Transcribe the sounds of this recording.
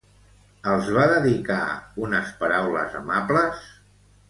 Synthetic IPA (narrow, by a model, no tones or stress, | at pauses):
əlˠzβaðəðika̰unəspəɾawlə̰zəmapləs